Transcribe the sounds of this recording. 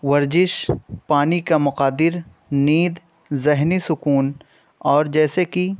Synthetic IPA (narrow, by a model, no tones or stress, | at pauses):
ʋɐɾzɪʃpaːnikamʊqaːd̪ɪɾ | niːd̪ | zɪɦnisʊkuːn | ɔːɾd͡ʒɛːseki